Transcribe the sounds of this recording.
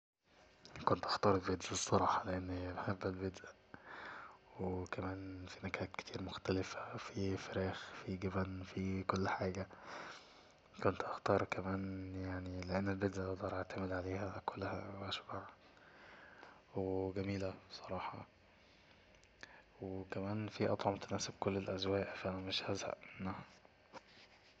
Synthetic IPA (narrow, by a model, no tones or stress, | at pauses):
kont̪ʔɑxt̪ɑːɾˤelbed̪ʔisˤːɑɾˤɑːħɑleʔenːmæħabːælbed̪ʔæ | wwekæmæːnfinækhæːt̪ke̥t̪ʰiːɾmoxt̪ælɪfæ̥fifeɾæːxfiɡæbænfikolːħaːɡæ | kont̪ʔɑxt̪ɑːɾˤkæmæːnjaʕnileʔænːælbed̪ʔæʔd̪ˤɑːɾˤʔeʕt̪æmed̪ʕaleːhækolːhæ̰wʔæʃbaʕ | weɡæmiːlæbsˤɑɾˤɑːħɑ̰ | wekæmæːnfiʔɑ̰t̪ˤʕomt̪ænæːsebkolːelʔæzwæːʔʔfʔænæmeʃhæzhæ̰ʔmenːæ